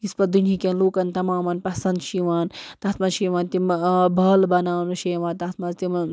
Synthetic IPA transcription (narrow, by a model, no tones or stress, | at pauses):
ispɐd̪unʲikʲɐnluːkɐnt̪ɐmaːmɐnpɐsɐnd̪ʃiʋaːnt̪ɐt̪mɐnʃiːʋaːnt̪imbɐːlbɐnaːnɐʃeːʋãːnt̪ɐt̪ʰmɐzt̪im